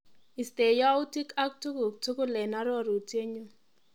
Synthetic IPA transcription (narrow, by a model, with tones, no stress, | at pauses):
i˨ste˨ja˦u˦ti˦ka˦k̚tu˦kʊ˨k̚tu˦kʊ˦lɛ˨na˦ɾɔ˦˨ɾo˨tje˦ɲu˦